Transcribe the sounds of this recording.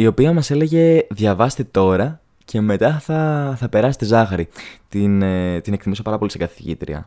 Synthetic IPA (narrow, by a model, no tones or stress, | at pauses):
io̞piɐmɐse̞le̞ʝe̞ðʝɐvɐst̪et̪o̞ɾɐ | cʰe̞me̞t̪ɐθɐθɐpe̞ɾɐse̥t̪ezɐxɐɾit̪int̪ine̞kt̪imusepɐɾɐpoliseɡɐθiʝḭt̪ɾḭɐ̰